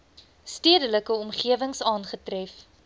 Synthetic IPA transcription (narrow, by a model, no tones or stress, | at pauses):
stiədələkəɔmχiəvəŋsɑːnχətrɛf